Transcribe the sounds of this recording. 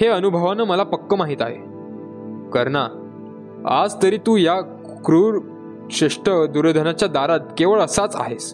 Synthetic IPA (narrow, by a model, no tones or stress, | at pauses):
heənubʱəʋanəməlapəkːəmaɦiːt̪aɦḛ | kəɾna | a̰d͡zt̪əɾiːt̪uːja | kɾuɾ | ɕeʂʈəd̪uɾəd̪ʱənat͡ɕjad̪aɾat̪̚keʋəɭəsat͡sa̰ɦes